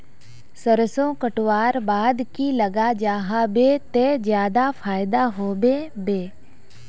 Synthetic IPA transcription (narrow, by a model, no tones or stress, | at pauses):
səɾəsõkəʈwaːɾbaːd̪kiləɡad͡ʒaːɦabet̪ed͡ʒjaːd̪afʰaːɪd̪aɦoːbebeː